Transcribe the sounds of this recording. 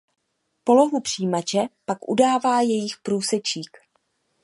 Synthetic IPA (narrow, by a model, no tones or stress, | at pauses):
po̞lo̞ɦupr̥iːmat͡ʃɛpakʔudaːvaːjɛjɪxpɾuːsɛt͡ʃiːk